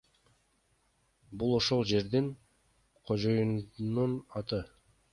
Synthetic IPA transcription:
bulˠo̞ʃo̞lˠd͡ʒe̞ɾd̪iŋ | qʰo̞d͡ʒo̞jununɑt̪ɯ

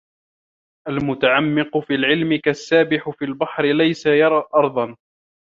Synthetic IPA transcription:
ʔalmʊt̪aʕamːɪqʊfiːlʕɪlmɪkasːaːbɪħʊfiːlbɑħɾɪlajsajɑɾˤɑːʔɑɾˤd̪ˤɑn

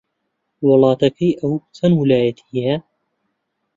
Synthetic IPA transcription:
wɑlɑːt̪ɐkʰɐjʔɐwut͡sʰɐnwɪlaːjɐt̪ʰijɐ

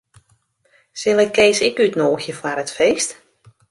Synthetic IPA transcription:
sɪlˠɛkːeːsɪkytnoːxjəfaɾətfeːst

